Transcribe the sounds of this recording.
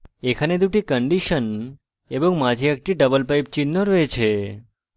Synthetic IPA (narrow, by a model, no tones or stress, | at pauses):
ekʰaned̪uʈikəɳɖiʃən | eboŋmad͡ʒiək̚ʈiɖəbəlpajp̚t͡ʃinːoɾoet͡ʃʰe